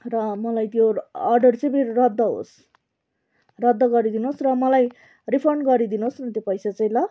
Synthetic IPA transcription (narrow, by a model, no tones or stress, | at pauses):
rʌmʌlajt̪joːrɖʌrt͡sʌjbʱeɾrʌd̪ːʌɦo̰s | rʌd̪ːʌɡʌɾid̪inosrʌmʌlaj | ripʰʌrɳɡʌɾid̪inosnʌt̪jopʌjsat͡sʌj̃lʌ